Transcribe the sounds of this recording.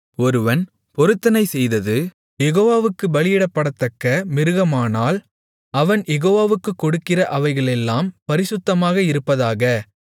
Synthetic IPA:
ɔɾɯʋɐn | pɔɾɯt̪ːɐnɐɪsɛjðɐðɯ | jɛɣoːʋaːʋɯkːɯbɐlɪjɪɽɐpːɐɽɐt̪ːɐkːɐmɪɾɯɣɐmaːnaːl | ɐʋɐnjɛɣoːʋaːʋɯkːɯkːɔɽɯkːɪrɐʔɐʋɐɪɣɐɭɛlːaːmpɐɾɪsɯt̪ːɐmaːɣɐɪɾɯpːɐðaːɣɐ

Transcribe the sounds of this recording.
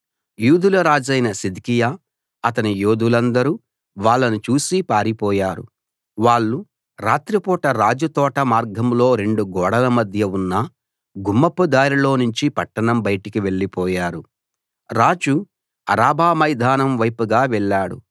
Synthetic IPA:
juːd̪ulɐɾaːd͡ʒɐjnɐsid̪ikija | ɐt̪ɐnijoːd̪ulɐnd̪ɐɾu | ʋaːɭːɐnut͡ʃuːsipaːɾipɔːjaːɾṵ | ʋaːɭːu | ɾaːt̪ɾipɔːʈɐɾaːd͡ʒut̪ɔːʈɐmaːɾɡʱɐmlo̞ːɾe̞ɳɖuɡɔːɽɐlɐmɐd̪ʱjɐunːɐ | ɡumːɐpːud̪aːɾilo̞ːnuɲt͡ʃipɐʈːɐɳɐmbɐjʈikiʋe̞ɭːipɔːjaːɾu | ɾaːd͡ʒu | ɐ̰ɾaːbʱaːmɐjd̪ʱaːnɐmʋɐjpuɡaːʋɛɭːaːɽṵ

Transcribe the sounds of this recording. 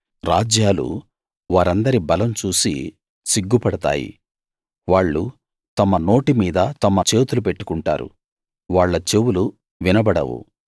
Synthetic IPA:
ɾaːd͡ʒjaːlṵ | ʋaːɾɐnd̪ɐɾibɐlɐmt͡ʃuːsḭ | siɡːupɐɽɐt̪a̰ːjḭ | ʋaːɭːu | t̪ɐmɐno̞ːʈimiːd̪ɐt̪ɐmɐt͡ʃe̞ːt̪ulupe̞ʈːu̥kuɳʈa̰ːɾṵ | ʋaːɭːɐt͡ʃewulu | ʋinɐbɐɽɐ̰wṵ

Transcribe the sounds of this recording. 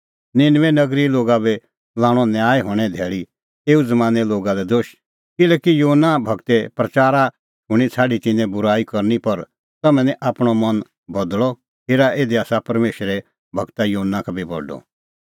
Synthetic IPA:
nɪnʋɛ̃nɐɡɾiloːɡabɛ | lãːɽ̃ɔnjaːjɦʊːɽ̃ɛ̃d̪ʱɛːɭi | eːud͡zɐmãːnɛloːɡad̪ɛd̪oːʃ | kɪlɛːkijoːnːabʱɐɡt̪ɛpɾɐt͡ʃaːɾa | ɦʊ̃ɽ̃it͡sʰaːɖit̪ɪ̃nːɛ̃bʊɾaːikɐɾnipɐɾ | t̪ɐmɛ̃nɛ̃ʔaːpɽ̃ɔmɐn | bɐd̪lɔ | keːɾaʔeːd̪iaːsapɐɾmeːʃɾɛ | bʱɐɡt̪ajoːɦənːakʰbʱibɔ̰ɖɔ̰

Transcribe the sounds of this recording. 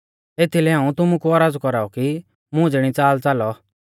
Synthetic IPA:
eːt̪ʰilɛɦãːũt̪ʊmũkuɔɾaːd͡zkɔɾaːɔki | mʊ̃d͡zɽ̃it͡saːlt͡salɔ

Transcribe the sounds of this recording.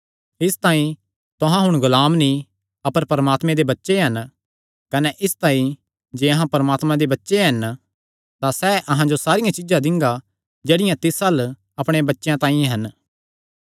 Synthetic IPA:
ɪst̪ãːĩ | t̪ʊɦãɦʊɽ̃ɡʊlaːmnĩ | ɐpəɾpɐɾəmaːt̪mẽd̪ebɐtːʃeɦɐn | kɐnɛʔɪst̪ãːĩ | d͡ʒeːɐɦãpɐɾɐmaːt̪mãd̪ebɐtːʃeɦɐn | t̪asɛʔɐɦãd͡ʒosaːɾɪjãt͡ʃɪd͡ʒãd̪ɪ̃ŋɡa | d͡ʒeːɽɪjãt̪ɪsɐl | ɐpɽ̃ebɐtːʃjãt̪ãːĩɦɐn

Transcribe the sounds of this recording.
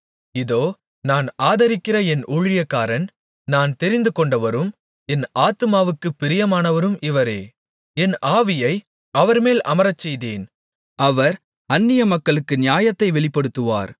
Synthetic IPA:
ɪðoː | naːnaːðɐɾɪkːɪrɐɛnʔuɻɪjɐkːaːɾɐn | naːnt̪ɛɾɪnd̪ɯkɔɳɖɐʋɐɾɯm | ɛnaːt̪ɯmaːʋɯkːɯpːɪɾɪjɐmaːnɐʋɐɾɯmɪʋɐɾeː | ɛnʔaːʋɪjɐɪ | ɐʋɐɾmeːlʔɐ̰mɐɾɐt͡ʃːɛjðeːn | ɐʋɐɾ | ɐnːɪjɐmɐkːɐɭɯkːɯnɪjaːjɐt̪ːɐɪʋɛɭɪpːɐɽɯt̪ːɯʋa̰ːɾ

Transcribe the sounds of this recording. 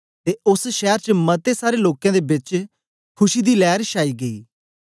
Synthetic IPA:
t̪eːʊsʃɛːɾt͡ʃəmət̪esaːɾeloːkãːd̪eːbɪt͡ʃ | kʰʊʃiːd̪iːlɛːɾʃaːiːɡəḭː

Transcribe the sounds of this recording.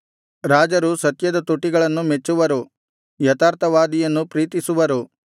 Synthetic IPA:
ɾaːd͡ʒɐɾusɐt̪jɐd̪ɐt̪uʈːiɡɐɭɐnːumet͡ʃːuʋɐɾu | jɐt̪aːɾt̪ɐʋaːd̪ijɐnːupɾiːt̪isuʋɐɾu

